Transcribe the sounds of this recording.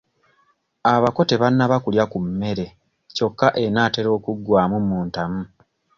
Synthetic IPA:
aβako̞te̞βanːaβakuljakumːe̞ɾe̞ | co̞kːaʔe̞naːte̞ɾo̞ːkuɡːwaːmumuːntamu

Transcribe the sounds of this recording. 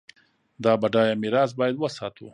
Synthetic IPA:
d̪ɑbaɖɑjamɪɾɑzbɑjad̪wəsɑt̪ṵ

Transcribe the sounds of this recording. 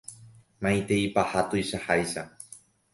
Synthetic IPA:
mãĩt̪eipahat̪ojʃahajʃa

